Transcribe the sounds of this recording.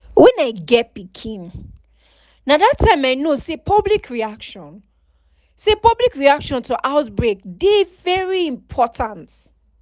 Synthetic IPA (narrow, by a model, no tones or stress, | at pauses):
wɛ̃naɪɡɛtpikʰĩn | nadatʰːãɪ̃maɪnosepʰɔblikʰɹiakʃɔ̃n | sepɔblikɹiakʃɔ̃ntuʔaʊtbɹek̚devɛɹiĩmpʰɔtʰãnt